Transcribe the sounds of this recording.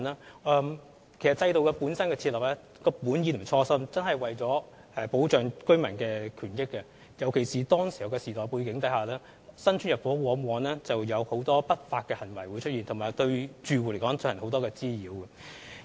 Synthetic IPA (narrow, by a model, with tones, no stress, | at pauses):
nɛː˥ɛː˧m | kʰe˨˩jsɐ˨˩tt͡sɐ˧jt̪o˨˧wkɛ˧puː˨˥nsɐ˥nkɛː˧t͡sʰi˧lɐ˨˩p̚ɛ˥ | kɔː˧puː˨˥njiː˨˥tm̩˨˩t͡sʰɔː˧sɐ˥mt͡sɐ˥nhɐ˨jwɐ˨jt͡sɔː˨˥ | ɛ˧po˨˥wt͡ʃœː˨ŋkɵ˥ɥmɐ˨˩nkɛː˧kʰyː˨˩njɪ˥kːɛ˧ | jɐ˨˩wkʰe˨˩jsiː˨t̪ɔː˥ŋsi˨˩hɐ˨˩wkɛ˧siː˨˩t̪ɔː˨˩jpuː˧kɪ˨˧˥ŋt̪ɐ˨˥jhaː˨lɛː˥ | sɐ˥nt͡ʃʰyː˥njɐ˨t̚fɔː˨˥wɔː˨˥ŋwɔː˨˧nlɛː˥t͡sɐ˨wjɐ˨˧who˨˥wt̪ɔː˥pɐ˥t̚faː˧t̚kɛː˧hɐ˨˩nwɐ˨˩jwuː˨˧jt͡ʃʰɵ˥t̚jiː˨nt̪ʰo˨˩ŋmaː˨˩jt̪ɵ˧ɥt͡ʃyː˧wu˨le˨˩jkɔː˨˥ŋt̪ʰɵ˧˥hɐ˨˩nho˨˥wt̪ɔː˥kɛː˧t͡siː˥jiː˨˧wɛ˨